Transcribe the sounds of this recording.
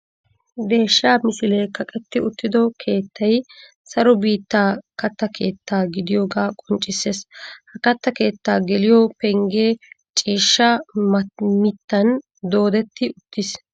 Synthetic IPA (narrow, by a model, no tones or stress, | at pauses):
d̪e̞ːʃːaːmɪsɪleːkɐkʼɛt̪ːɪʊt̪ːɪd̪ɔkʰe̞ːt̪ʰːɐj | sɐɾɔbiːt̪ːaːkɐt̪ːɐkʰe̞ːt̪ːaːɡɪd̪ɪjo̞ːɡaːkʼɔnt͡ʃʼɪsːeːshɐkɐt̪ːɐke̞ːt̪ːaːɡɛlɪjɔpɛŋɡeː | t͡ʃʼiːʃːɐ | mɪt̪ːɐn | d̪o̞ːd̪ɛt̪ːɪʊt̪ːɪs